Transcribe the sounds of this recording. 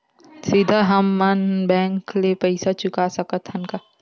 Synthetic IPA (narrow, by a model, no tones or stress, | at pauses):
sɪd̪ʱaɦɐmːɐnbɛ̃ːŋklepɛɪsat͡ʃʊkasɐkət̪ɦɐnka